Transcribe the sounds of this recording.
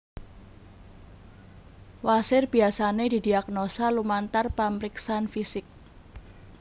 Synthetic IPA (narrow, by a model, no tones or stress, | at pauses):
wasɪrb̥iasaned̪̥i̤d̪iaknosalumant̪arpaməɾiksanfisɪk̚